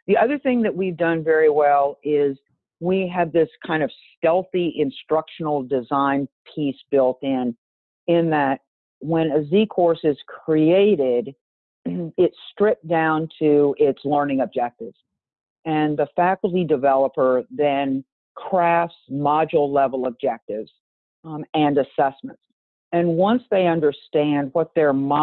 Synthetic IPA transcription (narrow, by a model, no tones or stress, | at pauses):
ðiʌðə˞θɪ̃ŋðɨt̚wivdʌ̃nvɛɹiwɛlˠɪz | wiɨvðɪskʰãɪ̃ndʌv̥stɛlˠθiʔɪ̃nstɹ̥ʌkʃn̩l̩ˠdɨzãɪ̃npʰisb̥ɪlˠtɪ̃n | ɪ̃nðɨt̚ | wə̃nɨzikʰɔɹsɨz̥kʰɹ̥ieɪɾɪɾ | ɪtstɹ̥ɪp̚d̥ãʊ̃ntʰʉɪtslɜ̃˞nɪ̃ŋɨb̚d͡ʒɛk̚tɪvz̥ | ɨ̃nðəfækl̩ˠtidɨvɛlˠəpə˞ðɨ̃n | kʰɹ̥æfsmɑd͡ʒl̩ˠlɛvl̩ˠəb̚d͡ʒɛk̚tɪvz̥ | ɨ̃nɨsɛsmə̰̃nts | ɨ̃nwʌ̃nsðeɪʌ̃ndə˞stæ̃nd̚wʌt̪̚ðə˞mɑ